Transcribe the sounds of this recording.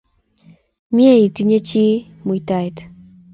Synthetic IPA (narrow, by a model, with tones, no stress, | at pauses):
mje˦i˨ti˦ɲe˦t͡ʃi˦ | mu˨i˦ta˨t